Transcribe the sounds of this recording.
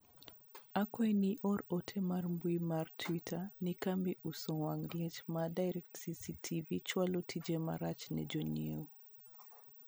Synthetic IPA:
akɔɛniʔɔɾɔtʰɛmaɾmbwimartʰwitʰanikambiʔusɔwaŋliɛt͡ʃmadajɾɛk̚tsisitʰivit͡ʃwalɔtʰid͡ʒɛma̰ɾat͡ʃnɛ̰d͡ʒɔnio

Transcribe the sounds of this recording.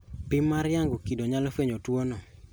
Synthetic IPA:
pɪmaɾjaŋɡukidoɲalɔfeɲotwonɔ

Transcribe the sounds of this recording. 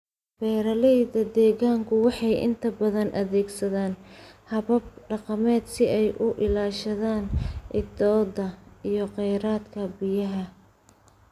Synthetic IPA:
bɛːɾɐlɛjðɐd̪ɛːɣaːŋkʰʊwɑħɑjʔɪ̰nt̪ʰɐbɐðɐnʔɐðɛːɡsɐðaːnhɐβɐb̚ɖɑqɑmɛːd̪sɪʔɛjʔʊʔɪlaːʃɐðaːnʔɪɡ̚d̪ɔːd̪ɐijɞqɛjɾaːd̪kʰɐbɪjɐɦɐ

